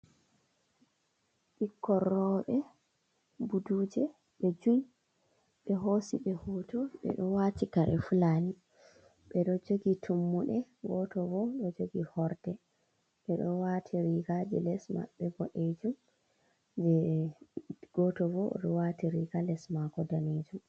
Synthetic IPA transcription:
ɓikːɔrɔɓɛ | budud͡ʒɛ | ɓɛd͡ʒuj | ɓɛɦosiɓɛhutɔɓɛ̰ɗɔwatikaɾʔɛ̰fulani | ɓɛɗɔd͡ʒoɡitʰumːuɗɛɡɔtɔvɔɗɔd͡ʒoɡihɔɾdɛ | ɓɛɗɔwatʰiɾiɡad͡ʒɛlɛsma̰ɓɛɡɔɗed͡ʒum | bɛ | ɡ̥ɔtɔvɔɗɔ̰watiɾiɡalɛsmaɡɔdaned͡ʒum

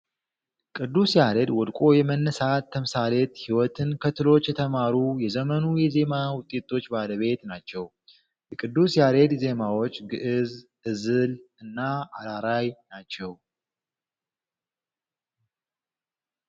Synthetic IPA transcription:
kʼɨd̪ːusjaɾed̪wɔd̪kʼo̞jɛmənːəsat̪ʰːəmsalet̪hiwɔt̪ʰɨnkʰət̪ʰɨlo̞t͡ʃːjɛt̪ʰəmaɾujɛzəmənujɛze̞mawʊt̪ʼet̪ʰo̞t͡ʃːbaləβe̞t̪nat͡ʃːɛw | jɛkʼɨd̪ːusjaɾed̪ze̞mawo̞t͡ʃːɡɨʔɨzʔɨzɨlɨnːaʔaɾaɾajnat͡ʃːɛw

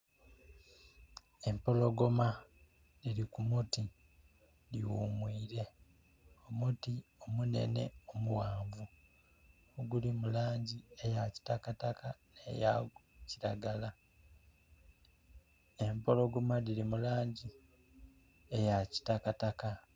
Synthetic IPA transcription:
e̞mpo̞lo̞ɡo̞ma | ɾiɾikumuti | ɾiwumwiːɾe̞ | o̞mutio̞mune̞̰ne̞̰omuwaːɱvu | oɡulimulaːɲɟie̞jaci̥takatakanḛja̰ciɾaɡala | e̞mpo̞lo̞ɡo̞maðilimulaːɲɟi | ejaci̥takataka

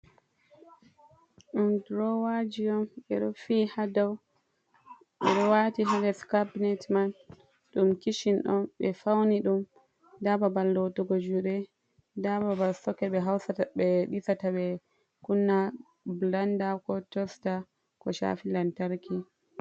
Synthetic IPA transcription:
ɗumdɾɔwad͡ʒiɔmɓɛɗɔfihadaw | ɓɛ̰ɗɔwatiɦalɛskabinɛtman | ɗumkiʃinɗɔnɓɛfawniɗum | dababalːotuɡɔd͡ʒuɗɛ | dababalsɔkɛɓɛɦawsabɛɗisataɓɛ | kunːa | blandakɔtɔsta | kɔʃa̰filantaɾki

